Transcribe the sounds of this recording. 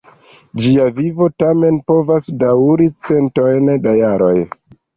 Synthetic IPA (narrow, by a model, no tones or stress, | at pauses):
d͡ʒiavivo̞tame̞npo̞vasdawɾit͡se̞nto̞jndajaɾo̞̰j